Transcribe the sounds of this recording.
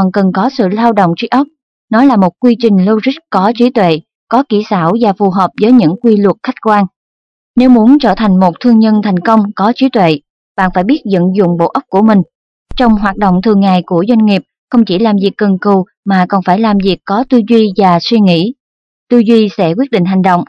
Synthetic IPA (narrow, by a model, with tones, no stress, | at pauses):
ɔ˨˩nkə˨˩nkɔ˨˦sɨ̰˧˨laː˧wɗo̰˧˨wŋ͡mt͡ɕi˨˦ʔə˦˥k͡p̚ | nɔ˨˦laː˨˩mo˨˩t̚kwi˧t͡ɕï˨˩ŋ̟lə˧wzi˦˥k̚kɔ˨˦t͡ɕi˨˦t̪wḛ˧˨ | kɔ˨˦ki˧˩saː˧˩wvaː˨˩fu˨˩ɦəː˨˩p̚zəː˨˦jɲɨ̰˧˥ŋkwi˧lwə˨˩t̚xa˦˥k̟̚kwaː˧n | ne˨˦wmu˨˦ənt͡ɕəː˧˩t̪ʰa˨˩jŋ̟mo˨˩t̚t̪ʰɨ˧əŋɲə˧nt̪ʰa˨˩jŋ̟kə˧wŋ͡mkɔ˨˦t͡ɕi˨˦t̪wḛ˧˨ | ɓa̰ː˧˨nfaː˧˩jɓi˦˥ət̚zə̰˧˨nzʊ̰˧˨ŋ͡mɓo̰˧˨ʔə˦˥k͡p̚ku˧˩əmï˨˩ŋ̟ | t͡ɕɔ˧wŋ͡mɦwaː˨˩t̚ɗo̰˧˨wŋ͡mt̪ʰɨ˨˩ŋːa̰ː˧˨jku˧˩əzwa˧jŋ̟ŋi˨˩əp̚ | xə˧wŋ͡mt͡ɕi˧˩laː˨˩mzi˨˩əkːə˨˩nkɨ˨˩w | maː˨˩kɔ˨˩nfaː˧˩jlaː˨˩mzi˨˩əkːɔ˨˦t̪ɨ˧zwi˧vaː˨˩swi˧ŋḭ˧˥ | t̪ɨ˧zwi˧sɛ̰˧˥kwi˦˥ət̚ɗḭ˧˨ŋ̟ɦa˨˩ŋ̟ɗo̰˧˨wŋ͡m